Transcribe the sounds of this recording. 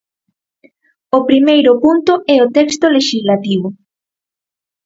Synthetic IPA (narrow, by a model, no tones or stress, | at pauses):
ʊpɾimejɾʊpunt̪ʊɛot̪ɛkst̪oleʃizlat̪iβʊ